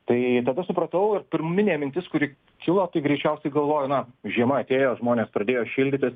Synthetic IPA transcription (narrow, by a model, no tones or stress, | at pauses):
t̪ɐɪt̪ɐd̪ɐsʊpɾɐt̪ɐʊɪrpʲɪɾmmʲɪnʲeːmʲɪnʲt̪ʲɪskʊɾʲɪː | kʲɪlˠoːt̪ɐɪɡɾʲɛɪt͡ʃʲɛʊsʲɛɪɡɐlˠʋoːjonɐʒʲiɛmɐɐt̪ʲeːjoːʒmoːnʲeːspɾɐd̪ʲeːjoːʃʲɪlʲd̪ʲɪt̪ʲɪs